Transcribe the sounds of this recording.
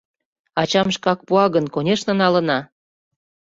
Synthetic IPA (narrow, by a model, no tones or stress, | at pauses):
ɑt͡ɕɑmʃkɑk̚puɑɣənkonʲeʃnɤ̆nɑlə̆nɑ